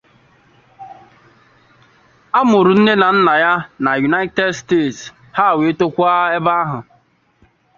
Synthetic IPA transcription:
a˦mʊ˨ɾʊ˨n̩˦ne˦na˨n̩˦na˨ja˦na˨ju˨na˦ɪ˦te˦˨dsteː˦˨ts | ha˦˨we˨˦to˦kʷa˦e˦ba˦a˦ɦʊ˨

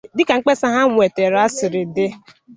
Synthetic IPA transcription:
dɪ˦ka˨ŋ͡m̩˦k͡pe˦sa˦ɦa˦ŋʷe˨te˨ɾa˦sɪ˨ɾɪ˨dɪ˦

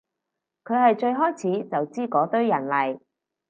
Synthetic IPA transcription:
kʰɵ˨˧ɥhɐ˨jt͡ʃɵ˧ɥɦɔː˥jt͡sʰiː˨˥t͡sɐ˨wt͡siː˥kɔː˨˥t̪ɵ˥ɥjɐ˨˩nlɐ˨˩j

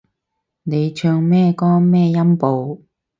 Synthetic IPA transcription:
ne˨˧jt͡ʃʰœː˧ŋmɛː˥kɔː˥mɛː˥˧jɐ˥mpo˨˧w

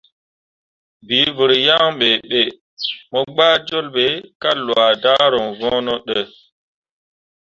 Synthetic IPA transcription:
bi˨˦vɨ˨ɾja˦ŋɓe˨ɓe˨ | mɔ˦ɡ͡baː˦d͡ʒo˦lɓe˨˦ka˦lwa˨da˦ɾo˨ŋvɔ̃ː˦no˦ɗe˨

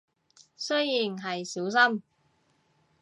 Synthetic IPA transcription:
sɵ˥ɥjiː˨˩nɦɐ˨jsiː˨˥ws̬ɐ˥m

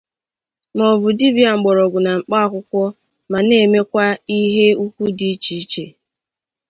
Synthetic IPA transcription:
mɔ˨bʊ˨di˦bi˦˨a˨ŋ͡m̩˨ɡ͡bɔ˨ɾɔ˨ɡʷʊ˨na˨ŋ͡m̩˨k͡pa˦a˨kʷʊ˦kʷɔ˦ | ma˨ne˦˨me˦kʷa˦i˦ɦe˦u˦kʷu˦di˦t͡ʃi˨i˦t͡ʃe˨

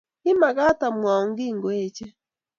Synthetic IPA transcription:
i˦ma˨ɡa˦ta˨mwa˨ɔ˨ŋ˦ɡi˦˨ŋɡwɛ˦˨t͡ʃɛ˦

